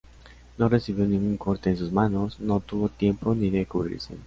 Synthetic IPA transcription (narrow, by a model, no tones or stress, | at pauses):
nõresiβiwnĩŋɡuŋkoɾt̪eẽnsuzmãnosnõt̪uβot̪jẽmponiðekuβɾḭɾsḛ